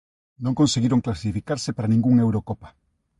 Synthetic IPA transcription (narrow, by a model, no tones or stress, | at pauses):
nõŋkõnseɣiɾoŋklasifikaɾsepaɾanĩŋɡuŋewɾokopḁ